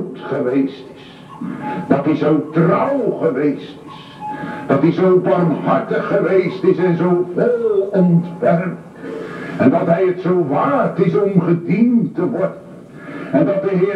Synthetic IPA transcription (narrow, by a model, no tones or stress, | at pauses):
tχəʋejstɪ̥s | d̥ɑtɦizowtrʌwχəʋejstɪ̥s | d̥ɑtizowbɑrmɦɑɹtəχːəʋejstɪsɛnzowʋɛlˠɔntʋɛrk | ɛndɑtɦɛjətsowʋaːtɪsɔmχədintəʋɔɹdən | ɛndɑtdəɦɪː